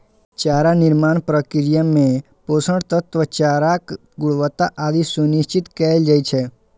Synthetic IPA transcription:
t͡ʃaɾanɪɾmaːnpɾəkɪɾjəmẽ | posəɳɽt̪ət̪ʋət͡ʃaɾak | ɡʊɽʋət̪aʔad̪isunɪʃt͡ʃɪt̪kɛld͡ʒait͡ʃʰe

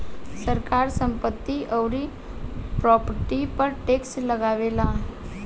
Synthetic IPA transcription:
səɾkaɾsəmpət̪ːiʔəwɾi | pɾɔpəʈipəɾʈeksʈləɡaʋela

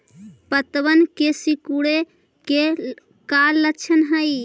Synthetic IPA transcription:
pət̪ʋənkesikuɽe | ke | kalːət͡ʃʰənɦəj

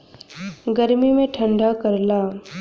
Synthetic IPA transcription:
ɡɐɾmimẽʈʰə̃ɳɖʱakɐɾlaː

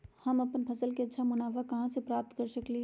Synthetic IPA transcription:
hɐmɐpənpʰɐsəlketːʃʰamʊnaːʋakɐɦãsepɾaːp̚t̪kɐɾsəkli

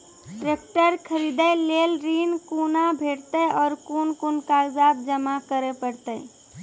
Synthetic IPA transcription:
ʈɾeːk̚ʈəɾkʰəɾiːd̪eleːlɾiːnkuːnabʱeːɽt̪eɔːɾkuːnkʊnkazaːbd͡ʒəmakəɾepəɽt̪e

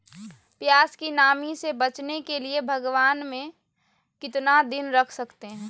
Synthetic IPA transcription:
pjaːskinaːmisebət͡ʃnekeliebʱəɡʋaːnmẽ | kɪt̪nad̪ɪnɾəkʰsɐkt̪eɦɛ̃ː

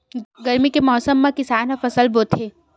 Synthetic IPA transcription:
ɡɐɾmikemɔːsəmːãkɪsaːnɦafɐsəlboːt̪ʰe

